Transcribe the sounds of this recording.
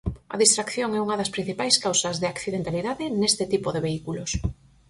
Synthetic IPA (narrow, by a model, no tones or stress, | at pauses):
ɐ̰ðist̪ɾakθjoŋɛuŋɐðɐspɾin̟θipajskawsɐzðɪakθiðẽnt̪aliðaðɪnest̪ɪt̪ipoðeβeikulos